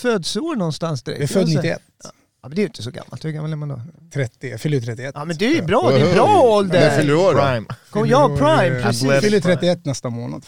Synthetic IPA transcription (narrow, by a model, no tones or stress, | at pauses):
føːd̪soːɳɔnːst̪ansd̪ɛɾɛ̰vɪfːd̪nɪːɪɛ̰t̪ː | mɛnd̪ɛɾjɪnt̪əsɔɡa̰mːalt̪hʉɡamːalɛɾmand̪o̰t̪ʰɾɛt̪ːɪfʏlːəɾt̪ʰɾɛt̪ːɪɛtɑmɛnd̪ɛɾbɾɑːd̪ɛɾɑːɔld̪əd̪ɛfʏlːəoajmkʰɔjɑpʰɾajmɾɛfʏlːəɾt̪ʰɾɛt̪ːɪɛt̪ːnɛst̪amoːna̰d̪